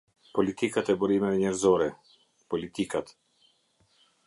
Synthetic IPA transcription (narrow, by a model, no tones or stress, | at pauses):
pɔlit̪ikat̪ɛbuɾimɛvɛɲɛɾzɔɾɛ | pɔlit̪ikat̪